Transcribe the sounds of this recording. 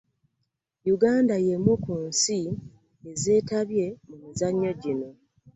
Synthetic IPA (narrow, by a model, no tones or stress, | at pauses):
juɡaːndajemwukuːnsi | eze̞ːtaβje̞mumizaɲːo̞ɟino̞